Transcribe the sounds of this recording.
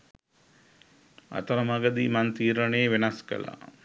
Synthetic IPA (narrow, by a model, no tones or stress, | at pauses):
a̰t̪ɐɾɐmaɡɐd̪imant̪iːɾəɳeːʋenɐskə̰la̰